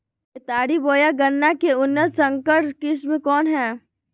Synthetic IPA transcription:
ɪt̪aːɽiboːjaɡɐnːakeʊnːət̪sɐ̃ŋkəʈkismẽkɔːnɦɛː

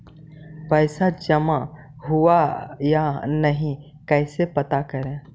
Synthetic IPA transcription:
pəɪsad͡ʒəma | ɦuajanɐɦĩ | kɛːɪsepɐt̪akəɾẽː

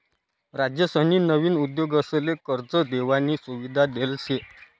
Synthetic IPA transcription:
ɾad͡ʑjəsəniːnəʋiːnud̪joɡəslekəɾd͡zəd̪eʋaniːsuʋid̪ʱad̪else

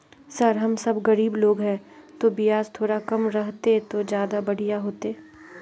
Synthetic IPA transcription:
sɐɾɦɐmsɐbɣɐɾiːbloːɡɦɛ̃ːt̪obɪjaːzt̪ʰoːɾakɐmɾɐɦt̪et̪od͡ʒjaːd̪abɐɽ̤ijaɦoːt̪eː

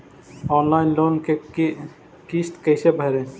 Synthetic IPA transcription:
ɔnlajnlonke | kisʈkejsebʱaɾe

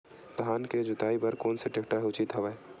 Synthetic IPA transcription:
t̪ɦaːnked͡ʒʊt̪aːibəɾkoːnseʈekʈaɦʊt͡ʃit̪ɦəʋɛ

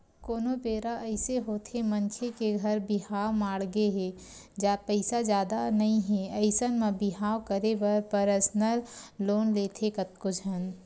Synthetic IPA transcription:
koːnopeːɾaʔəɪseɦoːt̪ʰemənkʰekeɡʱɐɾbɪɦaːwmaːɽɡeɦe | d͡ʒaːpəɪsad͡ʒjaːd̪anɐɦĩɦɛ̃əɪsənmẽbɪɦaːwkəɾebɐɾpəɾəsnəlloːnleːt̪ʰekət̪̚kʊd͡ʒʱən

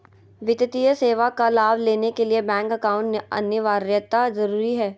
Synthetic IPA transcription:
ʋɪt̪ət̪ijəseːʋakalaːbleːnekeliebɛ̃ːŋkɐkaːʊ̃ɳʈneɐ̰njəʋaːɾjət̪azɐɾuːɾiɦɛː

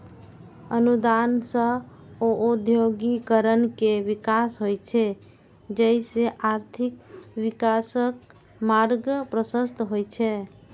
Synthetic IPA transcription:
ənud̪ansə̃ | oʔod̪ʱjoɡikəɾənkeʋikasɦojt͡ʃʰe | d͡ʒəjseʔaɾt̪ʰikʋikasək̚ | maɾɡəpɾəsəst̪ɦojt͡ʃʰɛ

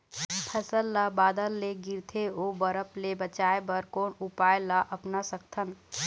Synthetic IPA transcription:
pʰɛsəlːabaːd̪əlːeɡɪɾt̪ʰeoːbəɾəplebət͡ʃaːebəɾkoːnupaːelaʔɐpnasəkt̪ʰən

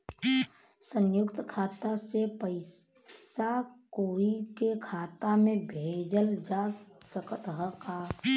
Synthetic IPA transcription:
sənjʊkt̪kʰaːt̪asepəɪ | sakoikekʰaːt̪amẽbʱed͡ʒəld͡ʒassəkət̪ɦəka

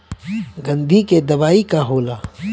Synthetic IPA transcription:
ɡɐ̃nd̪ʱiked̪ɐʋaːikaɦoːlaː

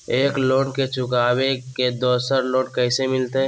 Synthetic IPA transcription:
eːkloːʈket͡ʃʊkaːweked̪oːsəɾloːʈkəɪsemɪlt̪e

